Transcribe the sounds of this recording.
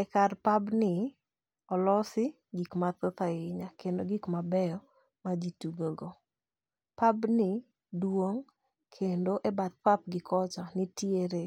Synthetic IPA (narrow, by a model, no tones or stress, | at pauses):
ɛkarpabnɪ | ɔlɔsɪ | ɡikmat̪ot̪aɪɲakendoɡikmabɛjɔ | mad͡ʒituɡoɡo | pabnɪ | dwoŋ | kʰendoʔebat̪̚pap̚ɡɪkʰɔt͡ʃɔnɪtjeɾe